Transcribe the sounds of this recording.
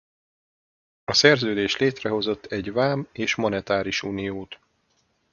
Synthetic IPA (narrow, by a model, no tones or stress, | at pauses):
ɒsɛrzøːd̪eːʃleːt̪rɛɦo̞zo̞t̪ːɛɟvaːmeːʃmonɛt̪aːɾiʃuːnijoːt̪